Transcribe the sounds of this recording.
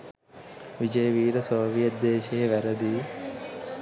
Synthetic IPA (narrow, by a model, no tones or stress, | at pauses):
ʋid͡ʒɐjɐʋiːɾɐsoːʋijɐd̪ːeːʃeɦeʋɐɾɐd̪i